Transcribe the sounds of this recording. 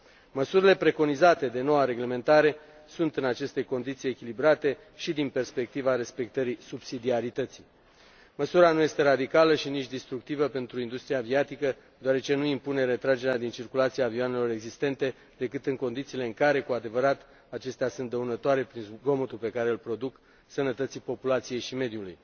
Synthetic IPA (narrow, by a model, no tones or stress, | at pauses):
məsuɾile̞pɾe̞ko̞nizat̪e̞d̪e̞no̞waɾe̞ɡle̞mẽ̞nt̪aɾe̞ | sunt̪ɨnat͡ʃe̞st̪e̞ko̞nd̪it̪sije̞kʲilibɾat̪e̞ | ʃid̪inpe̞rspe̞k̚t̪ivaɾe̞spe̞k̚t̪əɾisubsid̪iaɾit̪ət̪si | məsuɾanuje̞st̪e̞ɾad̪ikaləʃinit͡ʃʲd̪ist̪ɾukt̪ivəpe̞nt̪ɾuind̪ust̪ɾiaviat̪ikə | d̪oaɾe̞t͡ʃe̞nuimpune̞ɾe̞t̪ɾad͡ʒe̞ɾead̪int͡ʃirkulat̪siaːvioane̞lo̞ɾe̞ɡzist̪e̞nt̪e̞ | d̪e̞kɨt̪ɨŋko̞nd̪it̪siːle̞ɨŋkaɾe̞kuad̪e̞vəɾat̪ | at͡ʃe̞st̪easunt̪d̪əunət̪oaɾe̞pɾinɡo̞mot̪upe̞kaɾe̞ɨlpɾo̞d̪uk | sənət̪ət̪sipo̞pulat̪sije̞jʃime̞d̪juluj